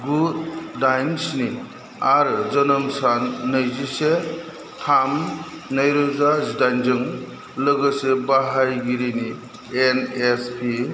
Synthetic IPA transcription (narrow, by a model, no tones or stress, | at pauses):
ɡud̚ːajnsni | aɾɯzɐnəmsanːɯjzise | tʰam | najɾɯzazdajnd͡ʒɯŋ | lɯɡɯsebaɦajɡiɾini | enespʰi